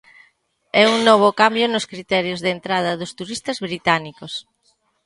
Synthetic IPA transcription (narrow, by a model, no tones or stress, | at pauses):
ɛuŋnɔβ̞ʊkambjʊnʊskɾit̪ɛɾjozðent̪ɾað̞ɐðʊst̪uɾist̪ɐzβɾit̪anikos